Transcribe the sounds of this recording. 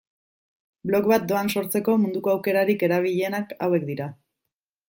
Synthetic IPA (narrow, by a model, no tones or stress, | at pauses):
blo̞kβat̪̚d̪o̞anso̞ɾt͡se̞ko̞mund̪uko̞awke̞ɾaɾike̞ɾaβ̞iʎe̞nakawe̞kd̪iɾa